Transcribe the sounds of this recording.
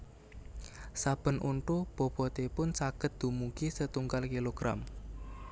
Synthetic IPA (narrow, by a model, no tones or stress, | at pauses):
sab̥ə̤nʔuɳʈob̥ɔ̤b̥ɔ̤t̪epʊnsaɡ̥ə̤t̪̚d̪̥ṳmuɡisət̪uŋɡalkiloɡ̥ɾa̰m